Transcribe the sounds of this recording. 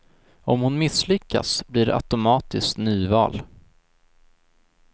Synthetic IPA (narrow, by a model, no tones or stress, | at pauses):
ɔmhʊnmɪslʏkːa̰sbliːɖɛ̰ʔa̰t̪ʊmɑːt̪ɪsknyːvɑ̰ːl